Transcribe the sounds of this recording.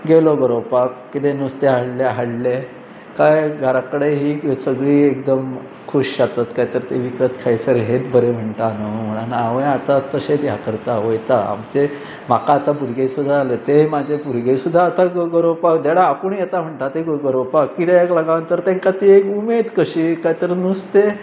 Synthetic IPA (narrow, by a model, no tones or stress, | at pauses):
ɡeloɡəɾowpakːit̪enust̪eɦəɽlaɦəɽle | kajɡʱaɾakəɽeɦiːsəɡɭiːekd̪əm | kʰuɕjat̪at̪kajt̪əɾt̪eʋikət̪kʰajsəɾɦet̪bəɾem̤əɳʈ̪anom̤əɽ̃anaʋəjat̪at̪əset̪jakəɾt̪aʋojt̪aa̰mt͡ɕe | m̤akaːt̪abuɾɡesud̪ʱːaːlet̪emad͡ʑʱebuɾɡesud̪ʱːaːt̪aɡəɾopakd̪eɽaːpəɳjet̪am̤əɳʈ̪at̪eɡɡəɾopakkit̪eeklaɡãʋənt̪əɾt̪ẽŋkat̪iekumed̪kəɕiːkajt̪əɾnust̪e